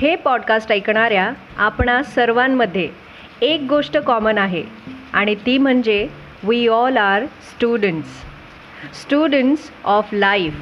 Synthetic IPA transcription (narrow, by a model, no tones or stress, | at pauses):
hepɔɖkasʈajkɳ̃aɾja | apɳasəɾʋamːəd̪ʱːjeː | k̚ɡoʂʈəkɔmənaɦeaɽ̃it̪iːm̤əɳd͡ʑe | ʋiɔlaɾsʈuɖəɳʈs | sʈuɖəɳʈsɔflaif